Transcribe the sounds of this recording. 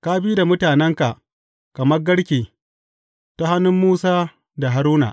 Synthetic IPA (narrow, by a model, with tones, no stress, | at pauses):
ka˦bi˦da˨mʊ˦taː˨nɛ˦ŋka˨ʔ | kɐ˨mɐ˦rɡɐ˦ɽkʲeː˨ | ta˦ha˦nːʊ˦mːuː˦saː˦ | da˨ɦa˦ɾuː˦na̰˨ʔ